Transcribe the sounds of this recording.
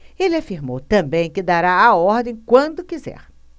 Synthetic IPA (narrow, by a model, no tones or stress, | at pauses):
elɪafiɾmo̰wt̪ɐ̃mbẽj̃kɪd̪aɾaaɔɾd̪ẽj̃kwɐ̃nd̪ʊkizɛ̰ɾ